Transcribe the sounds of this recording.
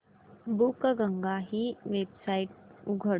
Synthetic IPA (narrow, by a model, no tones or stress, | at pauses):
bukːɐɡɐŋɡaɦiweb̚sajʈ̚uɡʱə